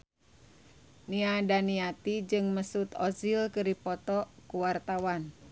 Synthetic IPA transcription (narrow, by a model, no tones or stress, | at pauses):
niadaniat̪id͡ʒɨŋməsut̪ɔzilkɨɾipɔt̪ɔkuwart̪awan